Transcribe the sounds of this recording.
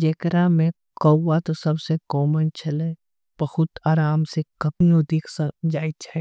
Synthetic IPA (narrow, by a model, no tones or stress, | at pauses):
d͡ʒeːkɾamẽ | kɐwwat̪osɐbsekɔːmənt͡ʃʰɐle | b̥ɐhʊt̪aːɾaːmsekɐpijõd̪iːkʰsəd͡ʒaːit͡ʃʰa